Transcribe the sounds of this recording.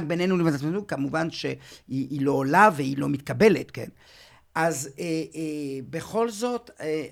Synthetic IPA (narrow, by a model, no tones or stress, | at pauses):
kbenenulemazatmazukamuvanʃeiilo̞ːlaveilo̞mit̪kabe̞let̪kḛn | ʔazeebe̞χo̞lzo̞t̪e